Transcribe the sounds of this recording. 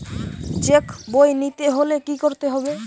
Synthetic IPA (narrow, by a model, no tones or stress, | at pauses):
t͡ɕekbojnit̪eɦolekikoɾt̪eɦɔbe